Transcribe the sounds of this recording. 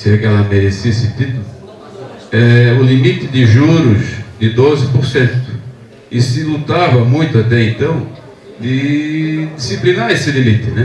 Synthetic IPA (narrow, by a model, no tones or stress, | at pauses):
sɛkɪɛlɐmeɾesiesɪt̪it̪ʊlʊ | ɛʊlimit̪ɪd̪ɪʒuɾʊzd̪ɪd̪ozɪpoɾsẽnt̪ʊ | ɪsɪlut̪avɐmũj̃t̪ʊat̪ɛẽnt̪ɐ̃w̃ | d̪ɪ | d̪isiplinaɾesɪlimit̪ɪnɛ